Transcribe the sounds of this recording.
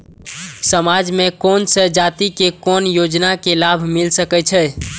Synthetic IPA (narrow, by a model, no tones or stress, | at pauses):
səmad͡ʒmekonsəd͡ʒat̪ikekonjod͡ʒnakelabʱmilsəkɛt͡ʃʰɛ